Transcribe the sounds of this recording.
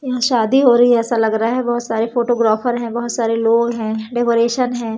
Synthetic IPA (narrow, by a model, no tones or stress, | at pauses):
jɐɦãʃaːd̪iɦoːɾɐɦiɦɛɛːsalɐɡɾaaɦɛbɐɦʊt̪saːɾefoːʈoːɡɾaːfəɾɦɛ̃bɐɦʊt̪saːɾeloːɡɦɛ̃ɖɛkoːɾeːʃənɦɛ̃ː